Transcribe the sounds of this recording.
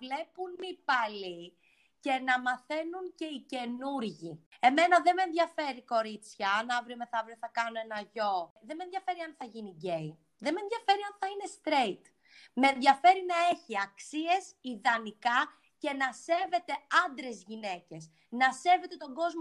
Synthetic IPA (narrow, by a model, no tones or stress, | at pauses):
vle̞punipɐli | ce̞nɐmɐθe̞nuŋce̞ice̞nuɾʝie̞me̞nɐðeme̞nðʝɐfe̞ɾiko̞ɾit͡sçɐɐnɐvɾiomeθɐvɾioθɐkɐnoe̞nɐʝo̞ðe̞menðʝɐfe̞ɾiɐnθɐʝiniɟe̞i | ðemenðʝɐfe̞ɾiɐnθɐine̞st̪ɾeit̪ | meːnðʝɐfe̞ɾinɐe̞çiɐksie̞siðɐnikɐ | ce̞nɐse̞ve̞t̪e̞ɐnd̪ɾe̞zʝine̞ce̞s | nɐse̞ve̞t̪e̞t̪o̞ɡo̞zmo